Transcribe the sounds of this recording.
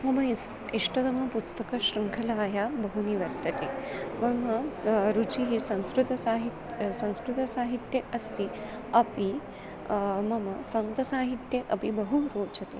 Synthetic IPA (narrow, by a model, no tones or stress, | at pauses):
mɐmɐ | iʂʈɐd̪ɐmɐpust̪ɐkɐɕɾɐŋkʰɐlaːjabɐɦuniʋɐɾt̪ːɐt̪emɐmɐɾut͡ʃiɦisɐ̃w̃skɾut̪ɐsaːɦit̪sɐ̃w̃skɾut̪ɐsaːɦit̪jɐʔɐst̪i | ɐpi | mɐmɐsɐnt̪ɐsaːɦit̪jeʔɐpibɐɦuɾoːt͡ʃɐt̪e